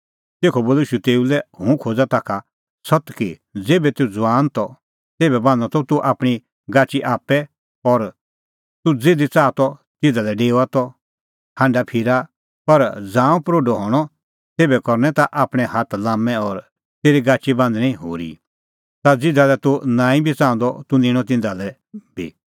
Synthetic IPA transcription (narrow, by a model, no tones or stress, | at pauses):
t̪eːkʰɔboːliːʃut̪eːulɛɦũkʰoːd͡zat̪akʰa | sɔt̪kid͡zeːbɛt̪eud͡zwaːnt̪ɔ | t̪eːbɛbãːndat̪ɔt̪uʔaːpɽ̃i | ɡaːt͡ʃiʔaːpːɛ | ɔɾ | t̪ud͡zeːd̪it͡saːt̪ɔ | t̪ɪd̪alɛɖeːwat̪ɔ | hãɳɖapʰiɾa | pɐɾd͡zãːũpɾoːɖɔɦɔːɽ̃ɔ | t̪eːbɛkɔɾnɛ̃t̪aʔaːpɽ̃ɛ̃hat̪lãːmɛ̃ɔːɾ | t̪eːɾiɡaːt͡ʃibãːnd̪ñĩɦo̰ːɾḭ | t̪ad͡zɪd̪alɛt̪unãːĩbʱit͡sãːnd̪ɔt̪unɪ̃ːɽ̃ɔt̪̬ɪ̃nd̪alɛ | bʱḭ